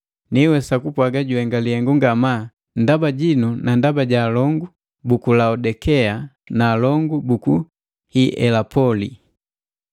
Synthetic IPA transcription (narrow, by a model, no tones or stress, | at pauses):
niwɛsakupwaɡaɟuɛŋɡalihɛŋɡuŋɡama | ndabaɟinunandabaɟaːlɔŋɡu | bukulaɔdɛkɛanaːlɔŋɡubuku | hiʔɛ̰lapɔli